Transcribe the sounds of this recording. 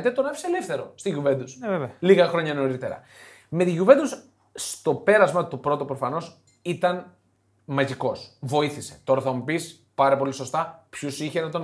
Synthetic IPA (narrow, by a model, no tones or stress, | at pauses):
t̪et̪o̞nɐfi̥selefθe̞ɾo̞st̪iʝuvend̪usvevliɣɐxɾo̞ɲɐno̞ɾit̪e̞ɾɐ̰ | me̞t̪iʝuve̞nd̪us | st̪o̞pe̞ɾɐzmɐt̪upɾo̞t̪opɾofɐno̞s | it̪ɐn | mɐʝiko̞svo̞iθise̞t̪o̞ɾɐθɐmupis | pɐɾɐpo̞liso̞st̪ɐpçusiçenɐt̪o̞